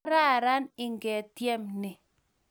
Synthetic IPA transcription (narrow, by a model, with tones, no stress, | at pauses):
ɾa˦˨ɾa˦nɪ˦ŋɡɛ˨tje˦mnɪ˨